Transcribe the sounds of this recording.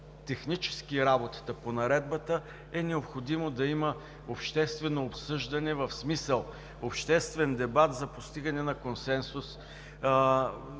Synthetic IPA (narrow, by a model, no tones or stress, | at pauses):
t̪ɛxnit͡ʃɛ̥skiɾabot̪ə̥t̪əponɐɾɛd̪bət̪ə | ɛnɛopxod̪imod̪ɐimə | opʃt̪ɛst̪vɛnoːpsɤʒd̪ɐnɛvɐfsmisəlˠ | opʃt̪ɛst̪vɛnd̪ɛbat̪zɐpost̪iɡɐnɛnɐkonsɛnsus